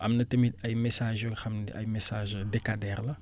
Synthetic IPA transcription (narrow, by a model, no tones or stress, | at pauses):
amnɐtɐmidajmesaʒoxɐmna̰jmesaʒdekadɛɾlɐ